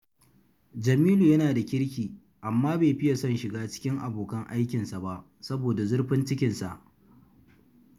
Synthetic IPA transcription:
d͡ʒɐ˨miː˦luː˨jɐ˦naː˨da˨kʲɪ˦ɽkʲiː˨ | ʔa˨mːaː˦beː˨ɸɪ˦ja˨sɔ˦˨nʃɪ˨ɡaː˦t͡ʃɪ̥˦kʲɪ˦ŋʔa˨boː˨kɐ˦ŋʔa˦jkʲɪ˨nsa˨ba˦˨ʔ | sɐ˦boː˨da˨zʊ˦ɽɸɪ˦nt͡ʃɪ˦kʲɪ˨nsa̰˨ʔ

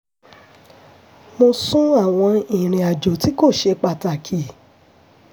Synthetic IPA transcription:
mo˧sũ˦a˦˨w̃ɔ̃˧ĩ˨ɾ̃ĩ˨a˨d͡ʒo˨ti˨˦ko˦˨ʃe˧k͡pa˨ta˨kʰi˨

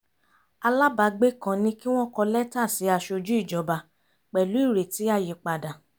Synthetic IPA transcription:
a˧la˦ba˧ɡ͡be˦kã˧nĩ˧˦ki˦w̃ɔ̃˦kɔ˧lɛ˦ta˦˨si˨˦a˧ʃo˧d͡ʒu˦i˦˨d͡ʒɔ˨˦ba˧ | k͡pɛ˨lu˨˦i˦˨ɾe˨ti˨˦a˦˨je˨k͡pa˨da˨

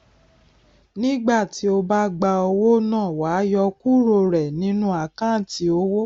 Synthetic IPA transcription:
nĩ˦ɡ͡ba˦˨ti˨˦o˧ba˦ɡ͡ba˧o˧wo˦nãː˦˨wa˨˦jɔ˧ku˦ɾo˧ɾɛ˨nĩ˨˦nũ˦a˧˨kã˦˨ti˧˦o˧wo˦

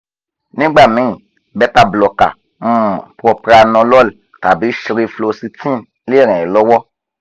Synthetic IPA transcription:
nĩ˦ɡ͡ba˦˨mĩ˨˦ĩ˨ | bɛ˦ta˧˨blɔ˨ka̰˨ | m̩̃˦˨pɔ˧pɾa˧nɔ̃˧lɔ˦l | ta˨bi˨˦ʃi˧ɾe˧flo˧si˧tĩ˦˨ | le˦˨ɾɛ̃˨lɔ˦wɔ˦

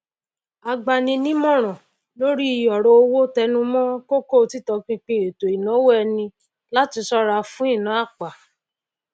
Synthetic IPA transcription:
a˧ɡ͡ba˧nĩ˧nĩ˦mɔ̃˦˨ɾ̃ɔ̃˨ | lo˦ɾi˦i˧˨jɔ˨ɾɔ˧˦o˧wo˦tɛ˧nũ˦mɔ̃˦ko˦ko˦˧ti˦tɔ˧k͡pĩ˧k͡pĩ˧e˨to˨i˨nɔ̃˨˦wo˦ɛ˧nĩ˧ | la˦ti˧sɔ˦ɾa˧fũ˦i˦˨nã˨˦a˦˨k͡pa˨

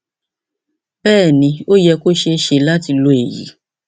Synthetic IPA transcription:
b̥ɛː˦˨nĩ˧˦o˦jɛ˧ko˦ʃe˧ʃe˧la˦ti˧lo˧˦e˨jḭ˨˦

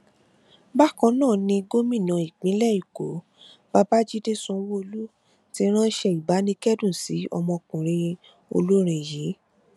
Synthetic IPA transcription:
ba˦kɔ̃˧nãː˦˨nĩ˧ɡo˦mĩ˦˨nã˨i˨k͡pĩ˨˦lɛ˦˨i˨ko˨˦ | ba˧ba˦d͡ʒi˦de˦sũ˧˦wo˦o˧lu˦ | ti˧˦ɾ̃ã˦ʃɛ˧i˨ba˨˦nĩ˧kɛ˦dũ˦˨si˨˦ɔ˧mɔ̃˧kũ˨ɾ̃ẽ˧ | o̰˧lu˦ɾ̃ĩ˧˨ji˨˦

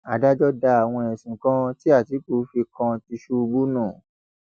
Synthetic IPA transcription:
a˨da˦d͡ʒɔ˦da˧a˨w̃ɔ̃˧ɛ˨sĩ˨kã˦ti˦a˦˨ti˨˦k͡po˨˦fi˧kã˧ti˧ʃu˦˧bu˦nũ˦˨

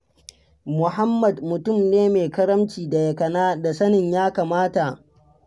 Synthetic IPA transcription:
mʊ˨ɦa˦mːɐ˨dmʊ˨tʊ˦˨mneː˦meː˨kɐ˦ɽɐ˦mt͡ʃiː˨da˨jɐ˨kɐ˨naː˦da˨sɐ˦nɪ˨ɲjaː˦kaː˨maː˦ta˨ʔ

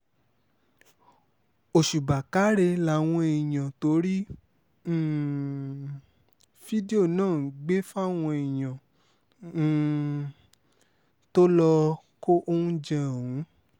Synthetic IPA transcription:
o˨ʃu˨ba˨ka˨˦ɾe˧la˨w̃ɔ̃˧e˨j̃ã˨to˨˧˦ɾĩ˦˨ | fi˦di˦o˦˨nãː˦˨˦ɡ͡be˦fa˦˨w̃ɔ̃˧e˨j̃ã˨˦˨ | to˦lɔ˧ | ko˦ʔo˦ũ˦d͡ʒɛ̃˦˨ũ˨˦

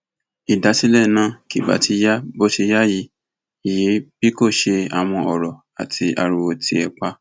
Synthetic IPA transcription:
i˨da˨˦si˦lɛ˦˨nã˨˦ki˨ba̰˨ti˧˦ja˦bo˦ʃi˧ja˦ji˨˧˦ | i˨je˨˦b̥i˦ko˦˨ʃe˧a˨w̃ɔ̃˧ɔ˨ɾɔ˨ | a̰˨tʰi˧ʔa̰˨ɾu˨˧wo˧ti˧˦ɛ˧k͡pa˧˦

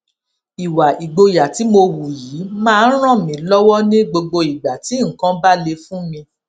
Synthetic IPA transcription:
i˨wa˨i˨ɡ͡bo˧ja˨ti˨˦mo˧wu˨ji˨˦mãː˦˧n̩˦ɾ̃ã˦˨mĩ˨˦lɔ˦wɔ˦nĩ˦ɡ͡bo˧ɡ͡bo˧i˨ɡ͡ba˨ti˨˦ŋ̩˨kã˦ba˦le˧fũ˦mĩ˧

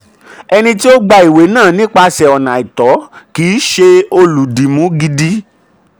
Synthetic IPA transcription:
ɛ˧nĩ˧ti˦o˦ɡ͡ba˧i˨we˨˦nãː˦˨nĩ˦k͡pa˧sɛ˨ɔ˨nã˨i˨tɔ˨˦kiː˨˦ʃe˧o˧lu˨di˨mũ˨˦ɡi˧di˦

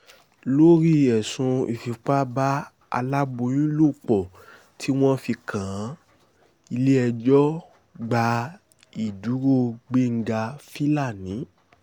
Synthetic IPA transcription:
lo˦ɾi˦ɛ˨sũ˧ḭ˨fi˨˧k͡pa˦ba˦ | a̰˧la˦bo˧˦j̃ĩ˦lo˦˨k͡pɔ˨ | tʰi˦w̃ɔ̃˦fi˧kã˨ã˨˦ | i˧le˦ɛ˧d͡ʒɔ˦ | ɡ͡ba˨˦ | i˨du˨˦ɾo˦˨ɡ͡be˦ŋ̩˦ɡa˧fi˦la˦˨nĩ˨˦

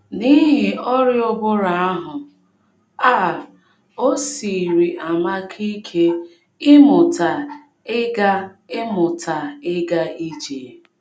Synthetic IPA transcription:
ni˦ɦɪ˨ʔɔ˦ɾɪ˦ʊ˦bʊ˦ɾa˨a˦ɦʊ˨ | aː˦˨ | o˦si˨ɾi˨ʔa˨ma˦kʰi˦kʰe˦ | ɪ˦mʊ˨ta˨ | ɪ˦ɡa˦ | ɪ˦mʊ˨ta˨ɪ˦ɡa˦i˦d͡ʒe˨

